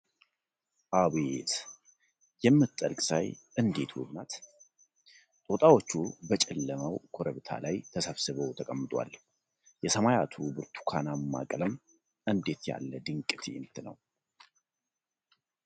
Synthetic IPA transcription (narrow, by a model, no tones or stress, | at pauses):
ʔaβe̞t̪ | jɛmːɨt̪ʼːəlkʼsa̰jʔɨnd̪e̞t̪ʰwɨ̰bnat̪ | t̪ʼot̪ʼawot͡ʃːubət͡ʃʼɛlːəməwkʰo̞ɾəβt̪ʰa̰lajt̪ʰəsəβsɨβəwt̪ʰəkʼəmːɨt̪ʼwa̰l | jɛsəmajat̪ʰubɨɾt̪ʰu̥kʰanamːa̰kʼləm | ʔɨnd̪e̞t̪ja̰lːəd̪ɨŋkʼt̪ʰiɪnt̪ʰɨnə̰w